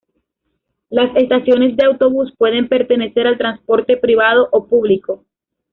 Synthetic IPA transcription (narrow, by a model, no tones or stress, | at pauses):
lase̞st̪asjo̞ne̞zd̪e̞awt̪o̞βuspwe̞ð̞e̞mpe̞ɾt̪e̞ne̞se̞ɾalt̪ɾanspo̞ɾt̪e̞pɾiβ̞að̞o̞ʔopuβliko̞